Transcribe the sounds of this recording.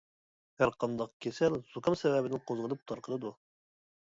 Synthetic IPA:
hæɾqʰɑnd̪ɑqkʲʰesælz̥ukʰɑmsɛvɛbɪnɪnqʰozʁəlˠɨp̚t̪ʰɑɾqʰəlɨd̪u

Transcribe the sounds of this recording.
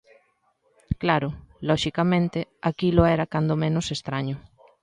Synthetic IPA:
klaɾʊlɔʃikamẽnt̪eakiloɛɾakand̪omẽnosest̪ɾaɲʊ

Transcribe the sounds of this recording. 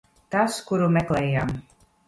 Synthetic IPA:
t̪askuɾumɛklɛːjaːm

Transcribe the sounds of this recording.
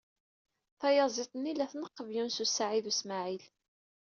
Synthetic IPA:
θɑjɑzˤit̪ˤnːilæθnəqːəvjunsusːaʕiðusmaʕil

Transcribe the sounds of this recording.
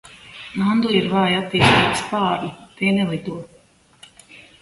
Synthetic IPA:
nand̪uiɾvaːjat̪ːiːst̪iːkspaːɾnit̪ɛːnɛlˠid̪uɔ

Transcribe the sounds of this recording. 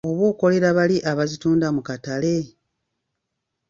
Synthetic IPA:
o̞βo̞ːko̞le̞ɾaβaliʔaβazituːndamukatale̞

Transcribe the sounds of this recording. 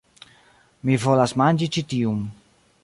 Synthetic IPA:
mivolasmand͡ʒit͡ʃit̪ium

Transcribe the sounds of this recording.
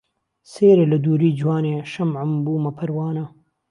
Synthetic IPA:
seːɾelɐd̪uɾid͡ʒwaːneʃɐmʕambuːmapʰɐɾwɑːna

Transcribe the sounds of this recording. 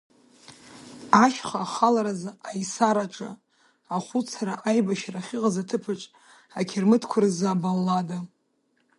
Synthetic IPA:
aʃχaːχalaɾazajsaɾaʈ͡ʂʼa̰ | aχʷut͡sʰaɾaʔajbaʃraχʲɪqazatʰɨpʰɨʈ͡ʂʼ | akʲʰɪrmɨtʰkʷʰʊrzabalːada

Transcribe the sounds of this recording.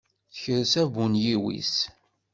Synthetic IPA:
θəçəɾsævunjiwḭs

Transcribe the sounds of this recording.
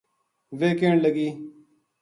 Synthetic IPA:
ʋeːkeːɳləɡiː

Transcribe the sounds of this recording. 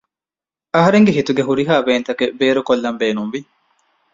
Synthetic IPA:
ɐɦɐɾeŋɡeɦit̪uɡeɦuɾiɦaːbeːnt̪ɐkebeːɾukolːɐmbeːnumʋi

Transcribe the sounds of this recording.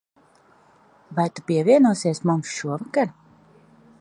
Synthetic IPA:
vajt̪upiɛviɛnuɔsiɛsmumsʃuɔvakaɾ

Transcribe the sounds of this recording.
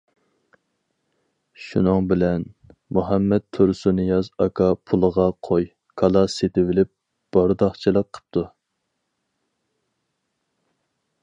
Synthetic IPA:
ʃunɨŋbɪlɛnmuɦɛmːɛt̪̚t̪ʰːuɾsunɨjɑzɑkʰɑpʰulˠəʁɑqʰoj | kʰɑlˠɑset̪ɪvɪlɪp̚ | b̥ɑɾd̪ɑχt͡ʃʰilˠəqqʰːə̥p̚t̪ʰu

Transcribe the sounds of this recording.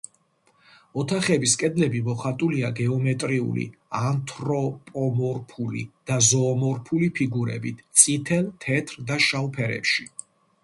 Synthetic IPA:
ɔt̪ʰaχɛbiskʼɛd̪lɛbimɔχat̪ʼuliaɡɛɔmɛt̪ʼɾiṵlḭ | ant̪ʰɾɔpʼɔmɔɾpʰulḭd̪̥azɔːmɔɾpʰulipʰiɡuɾɛ̰bit̪ʰt̪sʼit̪ʰɛlt̪ʰɛt̪ʰɾd̪aʃalpʰɛɾɛ̰pʃi

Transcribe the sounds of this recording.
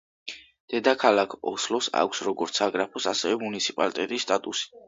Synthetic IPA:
d̪̥ɛd̪akʰalˠakʰɔslɔsa̰kʷʰsɾɔɡɔɾt̪sʰaɡɾapʰɔsasɛvɛmunit̪sʰi̥pʼalit̪ʼɛt̪ʼisːt̪ʼat̪ʼusi̥

